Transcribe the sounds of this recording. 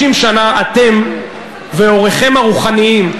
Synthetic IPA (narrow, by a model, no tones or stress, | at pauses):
imʃanaate̞m | veo̞ʁeχe̞maʁuχaniim